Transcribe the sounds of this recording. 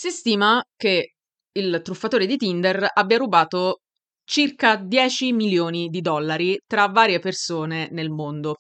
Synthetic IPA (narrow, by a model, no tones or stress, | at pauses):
sist̪iːmake | ilt̪ɾufːat̪oːɾed̪it̪ind̪erabːjaɾubaːt̪o | t͡ʃirkad̪jɛːt͡ʃimiljoːnid̪id̪ɔlːaɾit̪ɾavːaːɾjepersoːnenelmond̪o